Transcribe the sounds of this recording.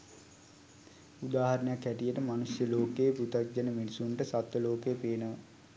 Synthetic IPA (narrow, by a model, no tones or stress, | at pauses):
ud̪aːɦɐɾənəjakːɛʈijəʈəmanusjəloːkeːput̪ak̚d͡ʒanəminisuɳʈəsat̪ʋəloːkejpeːnəʋə